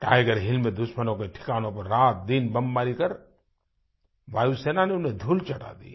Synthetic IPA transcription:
ʈa̰ːɪɡəɾɦɪlmed̪ʊʃmənõkeʈʰɪ̥kaːnõpɐɾːaːt̪̚d̪ɪnbɐmbaːɾikɐɾ | ʋaːjuseːnaneʊned̪ʱʊlt͡ʃɐʈa̰ːd̪ḭː

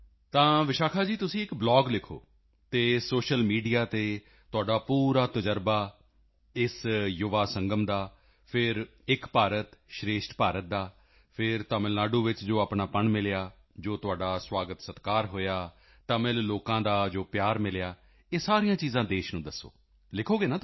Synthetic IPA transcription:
t̪ãːʋɪʃaːkʰaːd͡ʒiːt̪ʊsĩːɪkblɔːɡlɪkʰo̰ː | t̪eːsoːʃəlmiːɖijaːt̪eː | t̪ʊaːɖaːpuːɾaːt̪əd͡ʒəɾbaː | ɪsjʊʋaːsəŋɡəmd̪aː | pʰɪɾ | ɪkpaːɾət̪ʃɾeːʃʈpaːɾət̪̚d̪aː | pʰɪɾt̪əməlnaːɖuːʋɪt͡ʃd͡ʒoːapɳaːpəɳmɪljaː | d͡ʒoːt̪ʊaːɖaːswaːɡət̪sət̪kaːɾɦoːjaː | ʈ̪əmɪlloːkãːd̪aːd͡ʒoːpjaːɾmɪljaː | eːsaːɾijãːt͡ʃiːzãːd̪eːʃnũːd̪əsːo̰ː | lɪkʰoːɡeːnaː

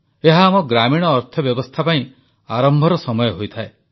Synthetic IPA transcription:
eɦaːmɔɡɾamiɽ̃ɔːɾt̪ʰɔbjɔbɔst̪ʰapaĩ | aɾɔmbʱɔɾɔsɔmɔjɔɦojt̪ʰae

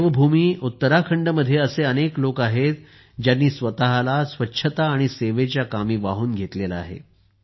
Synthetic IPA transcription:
ʋəbʱumiːut̪ːəɾakʰəɳɖəməd̪ʱːjeəseəneklokaɦet̪ | d͡ʑjanːiːsʋət̪aɦalasʋətːɕʰət̪aːɽ̃iseʋet͡ɕjakamiːʋaɦuːnɡʱet̪lelaa̰ɦḛ

